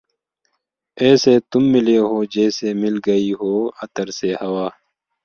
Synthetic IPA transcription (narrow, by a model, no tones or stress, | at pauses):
ɛːset̪ʊmːɪleɦoːd͡ʒɛːsemɪlɡɐiɦoːɐt̪əɾsehɐwaː